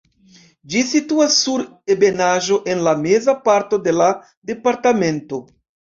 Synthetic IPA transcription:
d͡ʒisituasːuɾ | e̞be̞naʒo̞ʔe̞nlame̞zapaɾto̞de̞la | de̞paɾtame̞nto̞

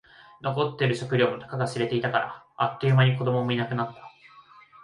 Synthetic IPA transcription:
no̞ko̞t̪ːeɾɯ̟ɕo̞kɯ̟ɾʲo̞ːno̞nḁkaɡasɨɾe̞t̪e̞it̪akaɾa̰ː | kʲːeɯ̟maɲ̟iko̞d̪o̞mo̞mo̞inakɯ̟nat̪ːḁ

